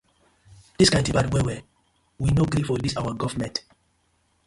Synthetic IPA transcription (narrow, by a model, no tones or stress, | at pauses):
d̥iskãɪ̃ntɔvadwɛwɛ | winoɡɾifɔdisawaɡɔvmɛ̃nt